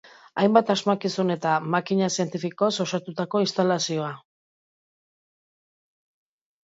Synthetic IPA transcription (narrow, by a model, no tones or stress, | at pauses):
ajmbat̪azmakisune̞t̪amakiɲasie̞nt̪ifiko̞so̞sat̪ut̪ako̞ist̪alasio̞a